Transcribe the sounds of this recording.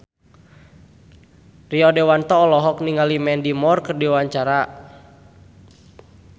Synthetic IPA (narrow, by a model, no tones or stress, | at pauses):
riɔdɛwant̪ɔːlɔɦɔk̚niŋalimɛndimɔrkərdiwaɲt͡ʃaɾa